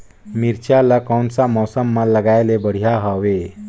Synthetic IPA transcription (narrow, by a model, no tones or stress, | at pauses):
miɾt͡ʃaləkɔwnsamɔsəmːãləɡaelebəɽ̤ijaɦɔwe